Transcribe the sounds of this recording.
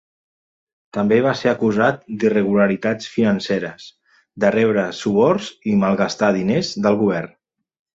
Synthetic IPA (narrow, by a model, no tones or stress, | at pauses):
t̪əmbeβ̞aseəkuzat̪̚d̪irəɣuləɾit̪at͡sfinənseɾəz | d̪ərɛβɾəsuβɔɾzimalˠɣast̪aðinezðəlˠɣuβɛrn